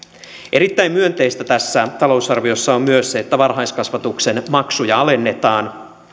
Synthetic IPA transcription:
ʔeɾit̪ːæjmyønt̪e̞jst̪æt̪æsːæt̪ɑlo̞wsɑrʋio̞sːɑommyøsːeet̪ːæʋɑrɦɑjskɑsʋɑt̪ukse̞nmɑksujɑɑlenːe̞t̪ɑːn

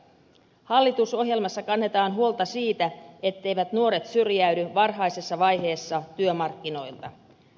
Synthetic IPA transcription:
hɑlːit̪uso̞ɦje̞lmɑsːɑkɑnːe̞t̪ɑːnɦuo̞lt̪ɑsiːt̪æe̞t̪ːe̞jʋæt̪nuo̞ɾe̞t̪syrjæydyʋɑrɦɑjsesːɑʋɑjɦe̞ːsːɑt̪yømɑrkːino̞jlt̪ɑ

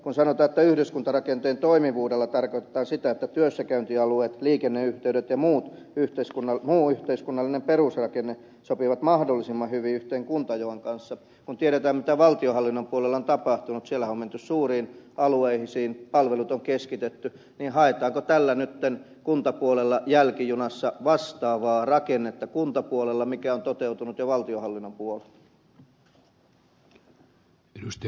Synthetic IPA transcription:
kunsɑnot̪ɑːnet̪ːæyhdyskunt̪ɑrɑkent̪eːnt̪oimiʋuːdelːɑt̪ɑrkoit̪ĕ̥t̪ɑːnsit̪æet̪ːæt̪yøsːækæynt̪iɑlueːt̪liːkenːeyht̪eyɾet̪jɑmuːt̪ | yht̪eiskunːɑmuːyht̪eiskunːɑlːinemperusrɑkenːe | sopiʋɑt̪mɑhdolːisimːɑhyʋiyht̪eːŋkunt̪ɑjoɑŋkɑnsːɑ | kunt̪ieɾet̪æːmmit̪æʋɑlt̪iohɑlːinːompuolelːɑont̪ɑpɑht̪unut̪sielːˑæoment̪yssuːriːnʔɑlueihisiːnpɑlʋelut̪oŋkeskit̪et̪ːy | niːnhɑet̪ɑːŋkot̪ælːænyt̪ːen | kunt̪ɑpuolelːɑjælkijunɑsːɑʋɑst̪ɑːʋɑːrɑkenːet̪ːɑkunt̪ɑpuolelːɑmikæont̪ot̪eut̪unut̪joʋɑlt̪iohɑlːinːompuolelː | eust̪

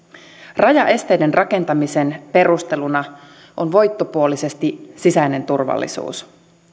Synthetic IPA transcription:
rɑjɑʔe̞st̪e̞jde̞nrʔɑke̞nt̪ɑmise̞npe̞rust̪e̞lunɑ | ʔonʋo̞jt̪ːo̞puo̞lise̞st̪isisæjne̞nt̪urʋɑ̰lːḭsṵːs

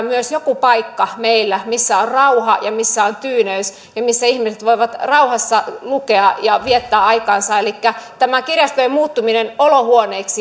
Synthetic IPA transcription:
myøsjokupɑikːɑmeilːæmisːæorrɑuhɑjɑmisːæont̪yːnøys | jɑmisːæihmiset̪ʋoiʋɑt̪rɑuhɑsːɑlukeɑjɑʋiɛt̪ːæːɑikɑːnsɑelikːæt̪æmækirjɑst̪ojemuːt̪ːuminenolohuoneːksi

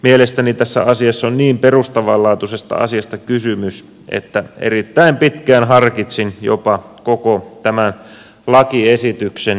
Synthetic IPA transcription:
mielest̪ænit̪æsːæ̰ʔɑsiɑsːonniːmperust̪ɑʋɑlɑːt̪usest̪ɑ̰ɑ̰siɑst̪ɑkysymys | ʔḛt̪ːæḛɾrit̪ːæimpit̪kæːnɦɑrkit̪sinjo̰pɑkokot̪æmæn | lɑkiesit̪yksen

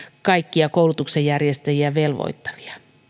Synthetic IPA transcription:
kɑikːiɑkoulut̪uksejjærjest̪æjiæʋelʋo̰it̪ːɑ̥ʋi̥ɑ̥

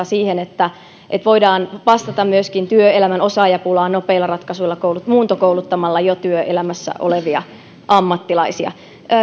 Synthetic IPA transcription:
siːhenet̪ːæ | ʔet̪ʋoidɑːnʋɑst̪ɑt̪ɑmmyøskint̪yøelæmænosɑːjɑpulɑːnopeilːɑrɑt̪kɑsuilːɑkoulut̪muːnt̪okoulut̪ːɑmɑlːɑjot̪yøʔelæmæsːæ̰ʔo̰leʋiɑ̰ | ʔɑmːɑt̪ːilɑisiɑ̰

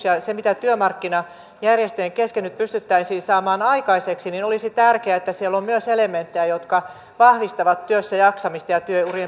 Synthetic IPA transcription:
sjɑsemit̪æt̪yømɑrkːinɑ | jærjest̪øeŋkeskenːyt̪̚pyst̪yt̪ːæisiːsɑːmɑːnɑikɑiseksininolisit̪ærkeæet̪ːæsielːommyøselement̪ːejæjot̪kɑ | ʋɑhʋist̪ɑʋɑt̪tyøsːæjɑksɑmist̪ɑjɑt̪yøurije

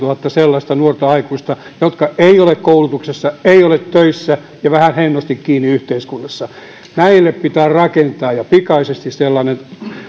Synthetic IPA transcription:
uhɑt̪ːɑselːɑst̪ɑnuort̪ɑɑikuist̪ɑjot̪kɑʔeiolekkoulut̪uksesːɑeiolet̪tøisːæ | jɑʋæhænhenːost̪ikkiːnːiyht̪eiskunːɑsːɑ | næilːeppit̪æːrrɑkent̪ɑːjɑpikɑisest̪isselːɑnen

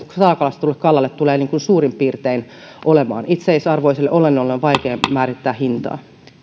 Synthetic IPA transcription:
ssɑlːkɑlɑst̪t̪ulːekkɑlːɑlːet̪t̪uleːniːŋkunsuːrimpiːrt̪ein | ʔolemɑ̰ːnit̪seisɑrʋoiselːeʔolenːolːenʋɑikeːmæːɾit̪ːæːhint̪ɑ̰ː

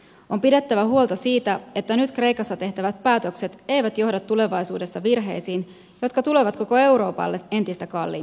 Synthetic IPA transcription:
o̞mpide̞t̪ːæʋæhuo̞lt̪ɑsiːt̪æe̞t̪ːænyt̪kre̞jkɑsːɑt̪e̞ht̪æʋæt̪̚pæːt̪ø̞kse̞t̪e̞jʋæt̪jo̞hdɑt̪ːule̞ʋɑjsuːde̞sːɑʋirɦe̞̰jsiːn | jo̞t̪kɑt̪ule̞ʋɑt̪ko̞ko̞e̞wɾo̞ːpɑ̰lːee̞nt̪ist̪ækɑlːḭ

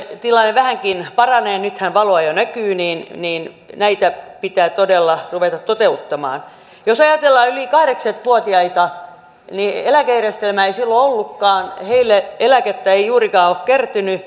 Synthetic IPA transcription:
t̪ilɑnːeʋæhæŋkinpɑrɑneːnyt̪hænʋɑloɑjonækyːniːnniːn | næit̪æpit̪æːt̪odelːɑruʋet̪ɑt̪t̪ot̪eut̪ːɑmɑ̰ːn | josɑjɑt̪elːɑːylikɑhɾeksɑt̪ʋuot̪iɑit̪ɑ | nielækæjærest̪elmæeisilːoolːukːɑːnheilːeelæket̪ːæeijuːrikɑːokkert̪yny

